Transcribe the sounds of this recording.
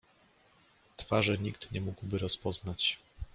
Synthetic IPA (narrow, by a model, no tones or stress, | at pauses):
t̪faʐɛɲikt̪ɲɛmuɡwbɘɾɔspɔznat͡ɕ